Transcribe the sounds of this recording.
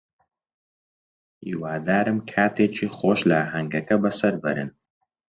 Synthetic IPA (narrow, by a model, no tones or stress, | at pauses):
ʔiːwaːd̪aːɾɨmkʰaːt̪ʰeːt͡ʃʰiːχoːʃlɐaɦɐŋɡɐkɐbɐsɐɾbɐ̰ɾɨ̰n